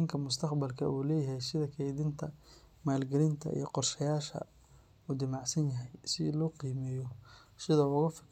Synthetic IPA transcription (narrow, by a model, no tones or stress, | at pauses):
ɪŋkʰɐmʊst̪ʰɐqbɐlkʰɐ̰ʔuːlɛːjɐɦɛjsɪðɐkʰɛjðɪnt̪ʰɐ | maːlɡɛlɪnt̪ʰɐ̰ḭjɞqɔrʃɐjaːʃɐ̰ | uːd̪ɪmɑʕsɐnjɐɦɛjsɪ̰lɔːqiːmɛːjɔ | sɪðɐʊɣɐfɐ̥